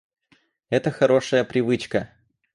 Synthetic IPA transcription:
ɛt̪əxɐɾo̞ʂəjəpɾʲɪvɨt͡ɕkə

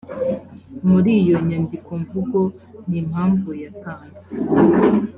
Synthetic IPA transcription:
muɾijo̞ɲandikʰo̞ɱvuɡo̞ | nim̥haːɱvujataːnz̥e

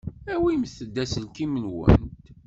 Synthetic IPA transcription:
æwimθəd̪ːæsəlkimənwə̰nt̪

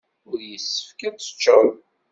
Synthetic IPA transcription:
ʊɾjəsːə̥fkæt͡sːə̥t͡ʃːən

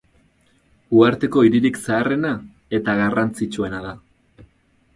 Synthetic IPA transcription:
uaɾt̪e̞ko̞iɾiɾiksaːre̞na | e̞t̪aɣarant͡sit͡ʃue̞naða

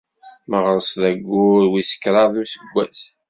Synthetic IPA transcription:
məʁəɾsðæɡʷːʊɾwisə̥kːɾˤɑðˤusəɡʷːæθ

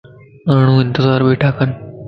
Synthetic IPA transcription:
aɽ̃ũːɪnt̪ɪzaːɾbeʈʰakan

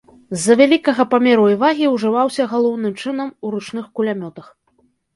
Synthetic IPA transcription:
zːɐvʲalʲikɐɣɐpamʲɛɾuivaɣʲiwʐɨvawsʲɐɣalˠɔwnɨmt͡ʂɨn̪ɐmuɾut͡ʂnɨxkulʲamʲɔt̪ɐx

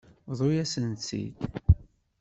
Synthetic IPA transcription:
ðˤojæsənt͡sːḭd̪

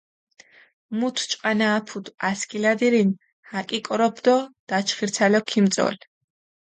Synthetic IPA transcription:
mut̪ʰt͡ʃʼqʼanaːpʰud̪askʰʼilad̪iɾin | hakʼikʼɾɔbd̪ɔd̪̥at͡ʃʰχiɾt̪ʰalɔkʰimt͡s̪ʼɔ̰l

